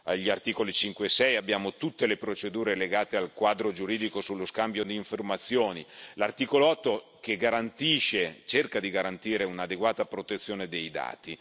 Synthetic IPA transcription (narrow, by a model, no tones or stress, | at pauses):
aʎːiart̪iːkolit͡ʃiŋkwesɛjabːjaːmot̪ut̪ːelepɾot͡ʃed̪uːɾeleɡaːt̪ealkwaːd̪ɾod͡ʒuɾiːd̪ikosulːoskambjod̪iːɱformat̪sːjoːnilart̪iːkoloɔt̪ːokeɡaɾant̪iːʃet͡ʃerkad̪iɡaɾant̪iːɾeunad̪eɡwaːt̪apɾot̪et̪sːjoːned̪ejd̪a̰ːt̪i